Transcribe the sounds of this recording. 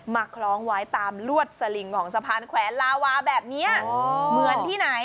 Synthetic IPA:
maː˨˩kʰlɔː˦˥ŋwaː˦˥jt̪aː˧mlu˥˩ət̪̚sa˧li˨˩ŋkʰɔː˩˦ŋsa˧pʰaː˧nkʰwɛː˨˩˦nlaː˧waː˧bɛː˨˩p̚ni˦˥ɐmɯ˨˩˦ənt̪ʰiː˥˩na˩˦j

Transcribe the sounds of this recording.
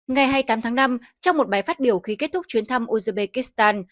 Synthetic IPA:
ŋa˨˩jɦaː˧jt̪aː˨˦mt̪ʰaː˨˦ŋna˧m | t͡ɕɔ˧wŋ͡mmo˨˩t̚ɓaː˨˩jfaː˦˥t̚ɓi˧˩əwxi˨˦ke˦˥t̚t̪ʰʊ˦˥k͡p̚t͡ɕwi˨˦ənt̪ʰa˧mʔu˧zə˧ɓe˧ki˦˥st̪aː˧n

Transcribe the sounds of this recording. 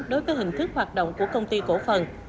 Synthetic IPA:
ɗo˨˦jvəː˨˦jɦï˨˩ŋ̟t̪ʰɨ˦˥k̚ɦwaː˨˩t̚ɗo̰˧˨wŋ͡mku˧˩əkə˧wŋ͡mt̪i˧ko˧˩fə˨˩n

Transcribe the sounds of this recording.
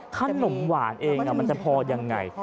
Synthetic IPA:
kʰa˧no˩˦mwaː˩˦nʔeː˧ŋʔa˧˨˩ma˧nt͡ɕa˨˩pʰɔː˧ja˧ŋːa̰˧j

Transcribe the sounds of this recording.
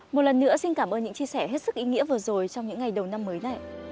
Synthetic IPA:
mo˨˩t̚lə˨˩nːɨ̰˧˥əsi˧nkaː˧˩mʔəː˧nɲɨ̰˧˥ŋt͡ɕi˧əsɛː˧˩ɦe˦˥t̚sɨ˦˥k̚ʔi˨˦ŋḭ˧˥əvɨ˨˩əzo˨˩jt͡ɕɔ˧wŋ͡mɲɨ̰˧˥ŋːa˨˩jɗə˨˩wna˧mːəː˨˦jna̰˧˨jʔ

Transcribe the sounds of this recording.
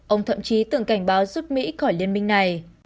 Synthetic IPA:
ʔə˧wŋ͡mt̪ʰə̰˧˨mt͡ɕi˨˦t̪ɨ˧˩əŋka˧˩jŋ̟ɓaː˨˦wzu˦˥p̚mḭ˧˥xɔ˧˩jli˧ənmï˧ŋ̟na˨˩j

